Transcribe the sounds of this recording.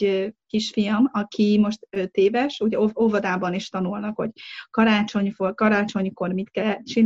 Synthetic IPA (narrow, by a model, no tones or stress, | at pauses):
kiʃfijɒmɒkʰimo̞ʃt̪øt̪eːvɛʃuɟɛoovɒd̪aːbɒniʃt̪ɒnulnɒkho̞̰ɟkɒɾaːt͡ʃo̞ɲfokɒɾaːt͡ʃo̞ɲko̞rmit̪kɛlːɛt̪̚t͡ʃin